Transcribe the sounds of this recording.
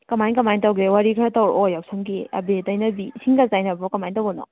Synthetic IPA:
kɐmajnkɐmajntawɡewaɾikʰɾatawɾojawsʰɯŋɡeɐ̰betajnɐbisiŋɡazajnabɔkɐmajntawbɔnɔ̰

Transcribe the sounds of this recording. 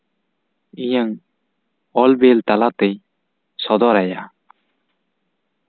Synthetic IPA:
ijaŋ | ɔlbelt̪alat̪ɛj | sɔd̪ɔɾaja

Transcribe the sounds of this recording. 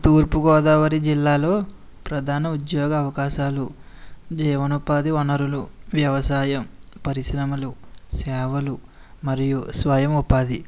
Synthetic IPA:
t̪uːɾpuɡɔːd̪ɐːʋɐɾid͡ʒilːaːlo̞ː | pɾɐd̪ʱaːnɐud̪jɔːɡɐːʋɐkaːʃaːlu | d͡ʒɛːʋɐnupaːd̪iɔnɐɾuluʋjɐʋɐsaːjɐmpɐɾisɾɐmɐlusɛːʋɐlu | mɐɾijusʋajɐmupaːd̪i

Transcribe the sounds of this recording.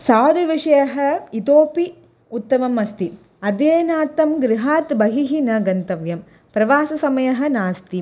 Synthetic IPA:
saːd̪uʋiʂɐjɐɦɐ̆it̪oːpi | ut̪ːɐʋɐmɐst̪i | ɐd̪jeːɐnaːt̪ːɐmɡɾɪɦaːt̪bɐɦiɦinɐɡɐnt̪ɐʋjɐm | pɾɐʋaːsɐsɐmɐjɐɦɐ̆naːst̪i

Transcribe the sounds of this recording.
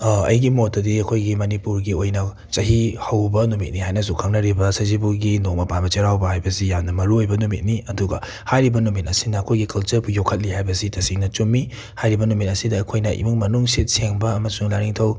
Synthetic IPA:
ɐ̰jɡimotːɐdiɐkʰojɡimɐnipuɾɡiojnɐ | t͡ʃɐɦihɐwbɐnumit̚niɦajnɐzukʰaŋnɐɾibɐsɐzibuɡinok̚mɐpanbɐt͡ʃɐɾawbɐhajbɐzijamnɐmɐɾuojbɐnumit̚niɐduɡɐ | hajɾibɐnumit̚ɐsinɐːkʰojɡikɐlt͡ʃɐɾbujokʰːɐt̚lihajbɐzitɐsiŋnɐt͡ʃumːi | hajɾibɐnumit̚ɐsidɐːkʰojnɐʔḭmuŋmɐnuŋsit̚seŋbɐɐmɐsuŋlaɾiŋtʰɐw

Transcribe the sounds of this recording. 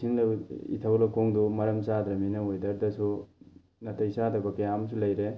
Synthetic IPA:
siŋlɐḭtʰawlɐkoŋdumɐɾɐmsadɾɐminɐojdɐɾdɐsu | nɐtʰɐjsadɐbɐkejamsulɐjɾe

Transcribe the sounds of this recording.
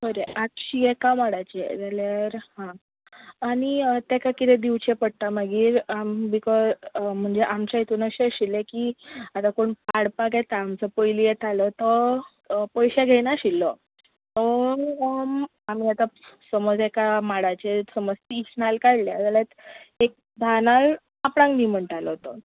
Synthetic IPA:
bəɾeʔaʈɕiekamaɽat͡ɕḛd͡zaljaɾhãː | nit̪ekakit̪ẽd̪iʋt͡ɕepəɽt̪amaɡiːɾambikɔzm̤əɳd͡zeʔamt͡ɕait̪unəɕeɕilːekiat̪akoɳpaɽpaɡet̪aːmt͡səpojlijet̪alɔt̪ɔ | pəjɕaɡʱenaɕilːə | tə | amiːat̪asəmɔd͡zɛkamaɽat͡ɕesəməst̪iːsnalkaɽlead͡zalat̪ek̚ | d̪ʱanal | apɽãŋɡnim̤əɳʈalɔt̪ə

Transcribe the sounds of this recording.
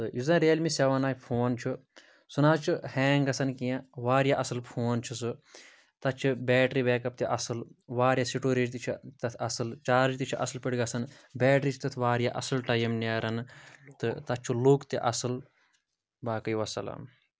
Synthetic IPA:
t̪ɨjizɐ̃ɾeːlmisʲɐʋɐnaːjpʰoːnt͡ʃʰu | sunaːt͡ʃʰuheːŋɡɡɐsɐnkijãʋaːɾjaʔɐsɨlpʰoːnt͡ʃʰusɨ | t̪ɐt͡ʃʰibɛːʈɾiːbeːkɐp̚t̪iʔɐsɨlʋaːɾjasiʈoːɾed͡ʒt̪it͡ʃʰit̪ɐt̪ʰɐsɨlt͡ʃaːɾd͡ʒit̪it͡ʃʰiʔɐsɨlpiɽɡɐsɐn | bʲɛːʈɾiːt͡ʃʰi̥t̪ɐt̪ʰʋaːɾjaʔɐsɨlʈɐjɐmnaːɾɐnt̪ɨt̪ɐt͡ʃʰulukt̪ḭʔɐsɨl | baːkɐjʋɐsɐ̰lɐ̰m

